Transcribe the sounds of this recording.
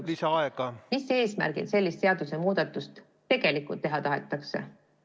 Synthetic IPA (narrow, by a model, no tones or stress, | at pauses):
lisɑɑeɡ̥ɑmisːee̞ːsmæ̰rɡ̥ḭt̪se̞lʲːist̪se̞ɑd̪̥use̞muːd̪̥ɑt̪ːˑust̪ | t̪e̞ɡ̥e̞likːult̪ːe̞ɦɑt̪ɑɦe̞̰t̪ːˑɑkse̞̰